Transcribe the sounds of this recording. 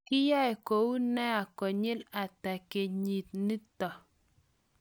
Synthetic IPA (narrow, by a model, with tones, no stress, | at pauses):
kɪ˦ja˦ɛ˨ko˨u˦nɛ˦a˨kɔ˨ɲɪ˦la˨ta˨ke˨ɲi˨t̪̚ni˦tɔ˨